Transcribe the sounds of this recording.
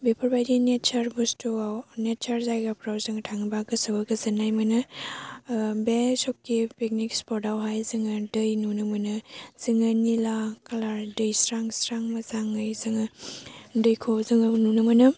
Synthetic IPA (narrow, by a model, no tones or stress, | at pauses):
bepʰɐɾbajdinet͡ʃɐɾbustuawnet͡ʃɐɾzajɡapʰɾawzɯŋɐtʰaŋbaɡɯsɯbaɡɐzɯnajmɯnɯ | besɔkːipik̚nikspʰɔɾdawɦajzɯŋɯdɯjnunɯmɯnɯz̥ɯŋɯnilakalaɾdɯjsɾaŋsɾaŋmɐzaŋɯjzɯŋa | dɯjkʰozɯŋnunɯmɐnɯ